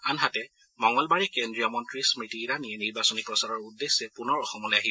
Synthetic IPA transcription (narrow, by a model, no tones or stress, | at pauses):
anɦatɛ | mɔŋɔlbaɹikendɹiɔmɔntɹismɹitiɹaniɛniɹbasɔnipɹɔsaɹɔɹudːesːɛpunɔɹɔxɔmɔlojaɦi